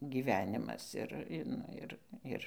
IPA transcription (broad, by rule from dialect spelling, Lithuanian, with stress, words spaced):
ɡʲiːˈʋʲæːnʲɪmɐs ˈɪr ˈnʊ ɪr ˈɪr